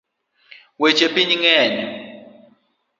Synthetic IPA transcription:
wet͡ʃʼepiɲiŋɛːɲɛ

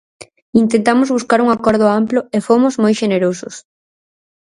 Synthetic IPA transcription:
int̪ent̪amʊzβuskaɾuŋakɔɾð̞ʊamplʊefomʊzmojʃeneɾosʊs

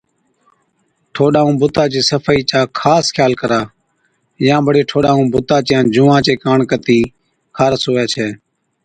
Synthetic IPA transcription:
ʈʰoːɗaːũːbʊt̪aːt͡ʃeːsəfʰːiːt͡ʃaːkʰaːskʰjaːlkəɾaː | jãːbəɽeːʈʰoːɗaːũːbʊt̪aːt͡ʃjãːd͡ʒʊːʋãːt͡ʃeːkaːɳkət̪iː | kʰaːɾəsoːaːt͡ʃʰɛː

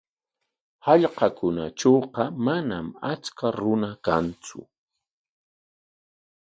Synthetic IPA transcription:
hɑʎqɑkʊnat͡ʃoːqɑmanamat͡skaɾʊnakant͡sʊ̰

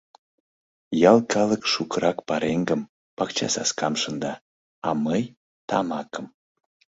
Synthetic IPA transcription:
jɑlˠkʰɑləkʃukəɾɑkpɑɾeŋɡəm | pɑkt͡ɕɑ̰sɑ̰skɑmʃənd̪ɑ | ɑməj | t̪ɑmɑkəm

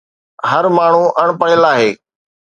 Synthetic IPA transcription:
ɦəɾmaːɳ̤uʔɐɽ̃pəɽɪlaːɦeː

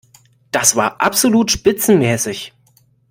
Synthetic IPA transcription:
d̥asv̥aːɐʔa̰pz̥oluːtʃpɪt͡sn̩mɛːsɪç

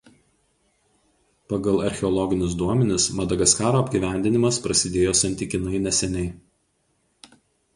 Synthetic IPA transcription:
pɐɡɐlˠɐɾʲxʲɛɔlˠɔɡʲɪnʲɪs̬d̪uɔmʲɛnʲɪsmɐd̪ɐɡɐskɑːɾoːɐbʲɡʲiːʋʲæˑnʲd̪ʲɪnʲɪmɐspɾɐsʲɪd̪ʲeːjoːsɐnʲt̪ʲɪkʲɪnɐɪnʲɛsʲɛnʲɛɪ

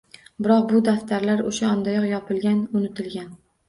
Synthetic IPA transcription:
bɪɾɒq̚bʊd̪aft̪ʰaɾlaɾʊʃaɒnd̪ajɒqjɒpʰɪlɡʲanʊnɪt̪ʰɪlɡʲan

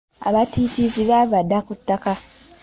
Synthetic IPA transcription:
a̰βatʰifiziβaβadakutːaka

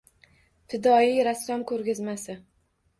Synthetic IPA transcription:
t̪ʰɪd̪ɒijɾasːɒmkʰɵɾɡʲɪzmasɪ

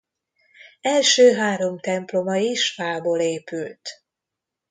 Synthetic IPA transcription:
ɛlʃøːɦaːɾo̞mt̪ɛmplo̞mɒiʃfaːboːleːpylt̪

